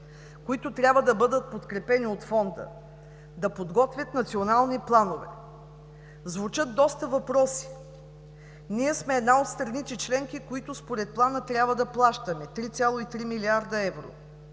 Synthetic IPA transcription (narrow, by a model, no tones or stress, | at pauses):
koit̪ʊt̪ɾʲabvəd̪ɐbɤd̪ət̪̚pot̪kɾɛpɛniot̪fɔnd̪ə̰ | d̪ɐpod̪ɡɔt̪vʲjət̪nɐt̪sionalˠniplˠanovɛ̰ | zvut͡ʃɤt̪̚d̪ɔst̪əvɐpɾɔsi̥ | niɛsmɛːd̪naot̪st̪ɾɐnit̪it͡ʃlɛŋkikoit̪ʊspoɾɛt̪̚plˠanət̪ɾʲjabvəd̪ɐplˠaʃt̪əmɛt̪ɾit̪sʲalˠoit̪ɾimiliaɾd̪əɛvɾo̰